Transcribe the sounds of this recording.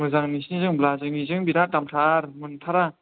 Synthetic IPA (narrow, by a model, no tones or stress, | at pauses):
mɯzaŋnisinzɯŋblazɯŋizɯŋbiɾatamtʰaɾmɯntʰaɾa